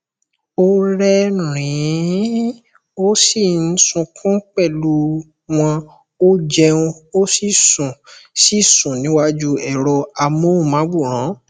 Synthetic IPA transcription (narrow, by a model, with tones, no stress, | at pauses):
o˧ɾɛ˧ɾ̃ĩ˨˦ | o˦si˦˨n̩˦sũ˧kʰɔ̃˦k͡pɛ˦˨lu˧ | w̃ɔ̃˧ | o˦d͡ʒɛ˧ũ˧o˦si˦˨sũ˨si˦˨sũ˨nĩ˨˦wa˧d͡ʒu˧ɛ˨ɾɔ˧a˧mõ˨˦˨mã˨˦ɡ͡bu˦˨ɾ̃ã˨˦